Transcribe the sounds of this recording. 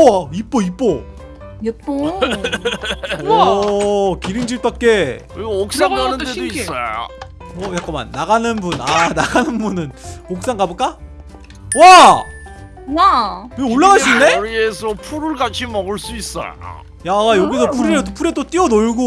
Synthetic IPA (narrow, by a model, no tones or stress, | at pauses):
ip͈oip͈o | p͈o | kiɾiŋd͡ʑiɭt͈ak͈e | iɡok̚s͈aŋanɯnddeois͈ʌ̰ | ʌjak͈ʌma̰nːaɣanɯnbunanaɡanɯnbunɯnok̚s͈aŋɡabok͈a | wa | akɯoɭːaɣaɭss͈uinːe̞ɾiesʰʌpʰuɾɯɭɡat͡ɕʰimʌɡɯɭs͈uis͈ʌ̰ja̰ | jajʌɡis̬ʰʌpʰuɾiɾet͈opʰuɾet͈ot͈iʌnoɭɡo